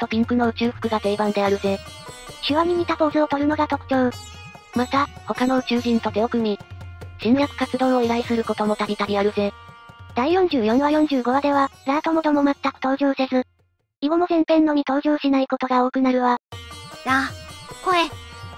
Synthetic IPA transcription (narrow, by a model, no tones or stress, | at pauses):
t̪o̞pʲĩŋkɯ̟no̞ɯ̟t͡ɕɨːɸɯ̟̥kɯ̟ɡat̪e̞ːbãnd̪e̞aɾɯ̟ze̞ɕiβamʲiɲ̟it̪at̪oːzɨo̞t̪o̞ɾɯ̟no̞ɡat̪o̞kɯ̟̥kʲo̞ː | mat̪aho̞kano̞ɯ̟t͡ɕɨːʑĩnt̪o̞d̪e̞o̞kɯ̟mʲiʑ̥ĩnjakɯ̟̥kat͡sɨd̪õ̞ːɰ̃oiɾaisɨɾɯ̟ko̞t̪o̞mo̞t̪aɾʲit̪aɾʲiaɾɯ̟ze̞d̪̥aijõ̞ɲ̟d͡ʑɨːjõ̞ɴ̃βajõ̞ɲ̟d͡ʑɨːɡo̞βad̪e̞βaɾaːt̪o̞mo̞t̪o̞mo̞mat̪ːakɯ̟̥t̪o̞ːʑoːsezɨ | iɡo̞mo̞sẽ̞mpẽ̞nːo̞ɲ̟it̪o̞ːʑoːɕinaiko̞t̪o̞ɡao̞ːkɯ̟naɾɯ̟βanakoe